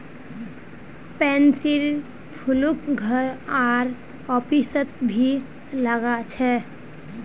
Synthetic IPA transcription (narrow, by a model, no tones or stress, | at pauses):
pɛnsiɾ | pʰulukɡʱəɾaɾ | ɔpisət̪bʱi | ləɡat͡ʃʰɛ